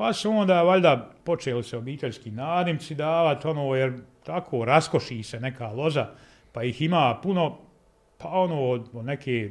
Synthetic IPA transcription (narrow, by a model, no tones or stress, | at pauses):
pasuoːnd̪aːʋaʎʲd̪apo̞t͡ʃeːliseobiːt̪e̞ʎʲskiːnaːd̪imt̪sid̪aːʋat̪o̞noːjeɾt̪akʰoːɾasko̞ʃiːsenekaːlˠo̞za | pajihimaːpuno̞ | pʰao̞noːd̪od̪nekʰeː